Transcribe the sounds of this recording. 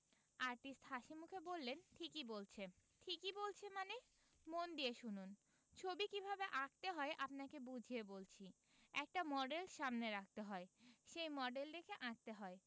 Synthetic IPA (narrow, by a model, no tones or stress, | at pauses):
aɾʈisʈhaʃimukʰebolːenʈʰikibolt͡ɕʰeʈʰikibolt͡ɕʰemane | mond̪ieʃunun | t͡ɕʰobikibʱabeʔak̚t̪eɦɔeʔapnakebud͡ʑʱiebolt͡ɕʰi | ɛk̚ʈamɔɖelʃamneɾak̚ʰt̪eɦɔeʃejmɔɖeld̪ekʰeʔãk̚t̪eɦɔe